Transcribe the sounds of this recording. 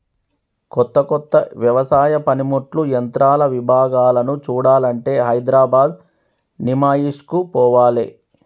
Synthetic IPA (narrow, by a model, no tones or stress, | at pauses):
kɔt̪ːɐkɔt̪ːɐʋjɐʋɐsaːjɐpɐnimuʈlujɐnt̪ɾaːlɐʋibʱaːɡaːlɐnut͡ʃuːɽaːlɐɳʈe̞ːɦɐjd̪ɾaːbaːd̪ | nimaːjiʂkupɔːʋaːlḛː